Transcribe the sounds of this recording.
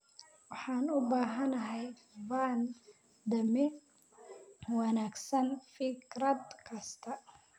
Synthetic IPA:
wɑħɑːnʊbaːɦɐnɐɦɛj | van | d̪ɐmɪ | wɑnaːɡsɐnfɪkɾɐd̪kʰɐst̪ʰɐ

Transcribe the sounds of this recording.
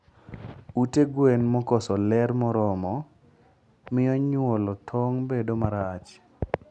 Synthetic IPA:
uteɡwenmɔkɔsɔlɛɾmɔɾɔmɔ | mɪɔɲʊɔlɔt̪ʰɔŋbedomaɾat͡ʃ

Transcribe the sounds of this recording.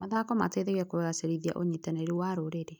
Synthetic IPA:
maðakɔma̰teðeɣɛkoeɣaseɾiðia̰ʔoɲitanɛɾewaɾoɾeɾe

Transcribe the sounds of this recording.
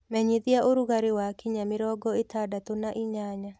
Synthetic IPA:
mɛɲiðiaʔoɾuɣaɾewakiɲamɪɾɔɡɔetadatonaʔiɲaɲa

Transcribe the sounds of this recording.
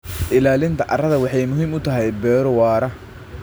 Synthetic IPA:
ʔɪlaːlɪnt̪ʰɐʔɐ̰rɐðɐwɑħɑjmʊɦiːmʊt̪ʰɐɦɛjbɛːɾwɑːɾɐ

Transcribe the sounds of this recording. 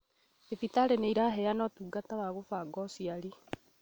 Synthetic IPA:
efitaɾeneiɾaɦɛanɔtuːɡatawaɣofaɡɔsiaɾi

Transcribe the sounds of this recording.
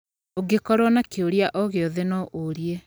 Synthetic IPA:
oɡekɔɾɔnakeoɾjaʔɔɣeɔðenɔoɾie

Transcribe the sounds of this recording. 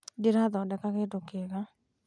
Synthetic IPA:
diɾad̪ɔdɛkakedokeɡa

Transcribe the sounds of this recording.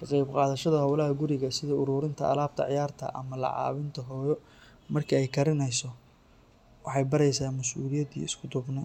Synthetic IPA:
kʰɑqɑjbqɑːðɐʃɐðɐɦɔwlɐɦɐɡʊɾɪɣɐsɪðɐʊɾuːɾɪnt̪ʰɐɐ̰laːb̚t̪ʰɐ̰ʕɪ̰jaːrt̪ʰɐ̰ʔɐ̰mɐlɑ̰ʕɑ̰ːβɪnt̪ʰɐɦɔːjɔ | mɐrkʰɐɛjkʰɐɾɪnɛjsɔ | wɑħɑjbɐɾɛjsaːmɐsuːlɪjɐd̪ḭːɪskʰʊd̪ʊbnɛ

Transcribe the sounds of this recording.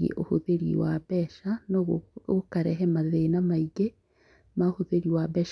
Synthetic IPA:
ḛʔo̰hoðeɾḭwaβɛʃanookaɾɛɦɛmaðenamaiɡe | maohoðeɾiwaβɛʃ

